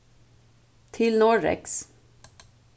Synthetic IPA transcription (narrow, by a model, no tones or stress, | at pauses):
t̪ʰɪlnɔɖɛ̰ks